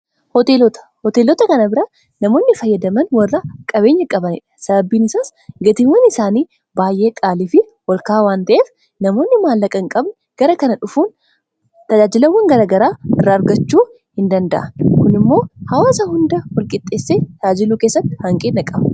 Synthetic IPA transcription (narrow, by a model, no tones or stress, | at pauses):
hɔt̪elɔt̪ɐ̥ | hɔt̪eːlɔt̪ɐkɐnɐbɪɾɐ | nɐmo̞ːnːɪfɐjːɐd̪ɐmɐnwɐrːɐkʼɐbe̞ːɲːɐkʼɐbɐnɪ̰ᶑɐ̥sɐbɐbːiːnɪsaːs | ɡɐt̪ɪŋwɐnɪsaːniː | baːjʔe̞ːkʼaːliːfɪ | wɐlkaːwaːnt̪ɐʔeːf | nɐmo̞ːnːɪmaːlːɐkʼɐŋkʼɐbn | ɡ̥ɐɾɐkɐnɐᶑʊfuːn | t̪ɐd͡ʒaːd͡ʒɪlɐwːɐŋɡɐɾaːɡɐɾaːɪrːaːɾɡɐt͡ʃːuː | hɪnd̪ɐnd̪ɐ̰ʔɐkʊnɪmːo̞ːhɐwaːsɐhʊnd̪ɐwɐlkʼɪt̪ʼːe̞ːsːeːt̪ɐd͡ʒaːd͡ʒɪluːkeːsːɐt̪ːɪhɐŋkʼeːnːɐkʼɐbɐ